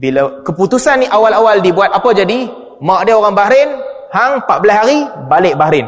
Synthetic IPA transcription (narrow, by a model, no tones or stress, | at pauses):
bilakəput̪usanːiʔawalawaldibuat̪̚apəd͡ʒadi | mãwʔadaoɾaŋbaɾɪn | haŋpaʔbəlashaɾibalɪʔ̚baɾɪn